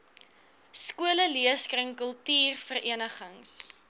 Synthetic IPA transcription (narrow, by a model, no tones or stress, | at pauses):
skuələliəskrəŋkəlˠtiːrfərʔiənəχəŋs